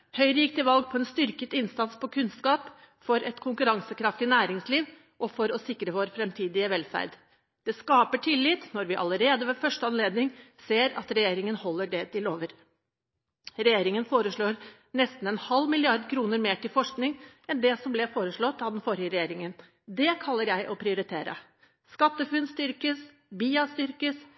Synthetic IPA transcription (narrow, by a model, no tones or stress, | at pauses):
hœʏɾiːk̚t̪ɪʋɑlɡ̚pʰɔɛnst̪ʏɾkət̪ɪnsɑt̪spʰɔkʰʉnskɑːp | fɔɾʔɛt̪kʰʊŋkʉɾɑŋsəkʰɾɑft̪ɪnæːɾɪŋsliːʋ | ʔɔfɔɾɔsɪkɾəʋoːɾfɾɛmt̪ʰiːd̪ɪəʋɛlfæ̰ɾd̪ | d̪̥ɛskɑːpəʈʰɪlːɪt̪nɔɾʋɪʔɑləɾeːd̪əʋɛfœʂʈəɑnleːd̪nɪŋseːɾɑ̰t̪ɾɛjeːɾɪŋənhɔlːəɖɛt̪ʰɪloːʋəɾ | ɾɛjeːɾɪŋənfoːɾəʂɭoːɾ | nɛst̪n̩ɛnhɑlːmɪlɪɑɾd̪kʰɾuːnəɾmeːʈɪlfɔʂknɪŋɛnd̪ɛsɔmblɛfoːɾəʂɭɔt̪ːɑʋd̪ɛnfɔɾɪjəɾɛjeːɾɪŋən | d̪ɛkʰɑlːəɾjæɪʔɔpʰɾɪʊɾɪt̪ʰeːɾə̰ | skɑt̪ːəfʉnst̪ʏɾkəs | biːɑst̪ʏɾkəs